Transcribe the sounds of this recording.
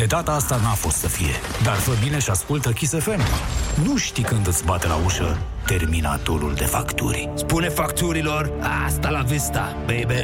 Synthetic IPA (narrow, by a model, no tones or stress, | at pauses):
d̪̥e̞d̪at̪aast̪anafo̞st̪səfije̞̰ | d̪arvəbine̞ʃaskult̪əkʲisefe̞mnuʃt̪ikɨnd̪ɨt̪sʲbat̪ela̰uʃə | t̪e̞rmina̰t̪oɾṵld̪e̞fa̰kt̪ṵɾʲspune̞fakt̪uɾilo̞rast̪alavist̪a | bejbe